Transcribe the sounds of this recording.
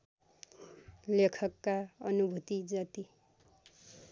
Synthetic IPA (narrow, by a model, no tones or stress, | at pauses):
lekʰʌkːaʌnubʱut̪id͡zʌt̪i